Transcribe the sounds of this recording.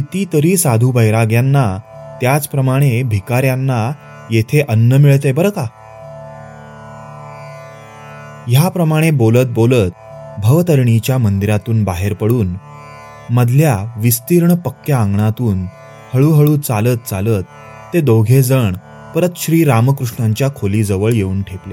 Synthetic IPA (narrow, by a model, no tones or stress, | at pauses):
it̪it̪əɾiːsad̪ʱubʱəjɾaɡjanːat̪jat͡spɾəmaɽ̃ebʱikaɾjanːa | jet̪ʰeʔənːəmiɭt̪̬ebəɾka | japɾəmaɽ̃ebolət̪̚bolət̪̚ | bʱəʋt̪əɾɳit͡ɕjamənd̪iɾat̪uːnbaɦeɾpəɽuːn | məd̪ʱljaʋist̪iːɾɳəpəkjaãŋɡɳat̪uːn | həɭuɦəɭuːt͡salət̪̚t͡salət̪ː | ed̪oɡʱed͡zəɳ | pəɾət̪ɕɾiːɾaməkɾuʂɳaɲt͡ɕjakʰoliːd͡zəʋəɭjeuːnʈʰeple